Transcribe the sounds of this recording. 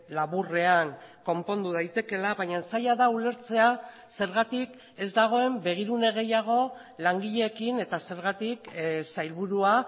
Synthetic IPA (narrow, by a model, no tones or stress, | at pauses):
laβure̞aŋko̞mpo̞nd̪uðajt̪e̞ke̞laβajɲansajaðaule̞ɾt͡se̞a | se̞ɾɣat̪ik | e̞zd̪aɣ̞o̞e̞mbe̞ɣ̞iɾune̞ɣ̞e̞jaɣ̞o̞ | laŋɡiʎe̞ːkine̞t̪ase̞ɾɣat̪iksajlβuɾua